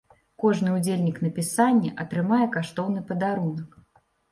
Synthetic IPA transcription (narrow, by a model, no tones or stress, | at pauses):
kɔʐnɨud͡zʲelʲnʲikn̪ɐpʲisanʲːɐʔɐt̪ɾɨmajɛkaʂt̪ɔwnɨpɐd̪aɾunɐk